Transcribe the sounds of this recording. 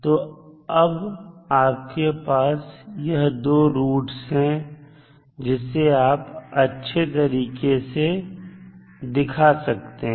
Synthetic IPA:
t̪oː | ɐbaːp̚kepaːsjɐɦd̪oːɾuːʈsɦɛ̃ | d͡ʒɪsːeaːpɐtːʃʰet̪ɐɾiːkese | d̪ɪkʰasɐk̚t̪eɦ

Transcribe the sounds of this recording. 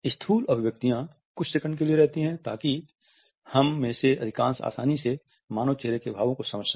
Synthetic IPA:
ɪst̪ʰuːlɐbʱʋjək̚t̪ijã | kʊt͡ʃʰsekəɳɖkelieɾɛɦt̪iɦɛ̃t̪aːki | hɐmːẽːseʔɐd̪ʱɪkãːnsa̰ːsa̰ːnise | maːnot͡ʃeːɾekebʱaːʋõkosɐməd͡ʒa

